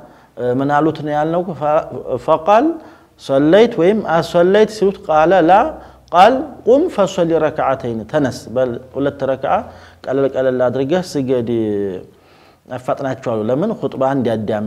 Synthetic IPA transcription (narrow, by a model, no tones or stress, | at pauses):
mɨnalut̪njalːɐwk | fɐqʼɐl | sɐlːɐjt̪wɔjɪmʔasɐlːɐjt̪silut̪kʼalɐla | kʼalkʼumfɐsɐlːiɾɐkʰaʕat̪ʰɐjnt̪ʰɐnɐsbɐhulɐt̪ːɾɐkʕakʼɐlɐlkʼɐlɐlːad̪ɨɾɨɡɐsɨɡɐd̪i | afːat̪ʼnat͡ʃːɛwalːulɐmɨnxʊt̪ʼband̪ijad̪ːijam